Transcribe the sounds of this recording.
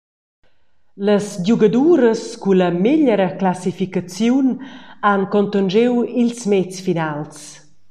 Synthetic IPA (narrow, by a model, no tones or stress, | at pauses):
ləsʎuɡəd̪uɾəskuləmeʎəɾəklasifikat͡sjunankɔnt̪ənd͡ʒewilsmɛt͡sfinals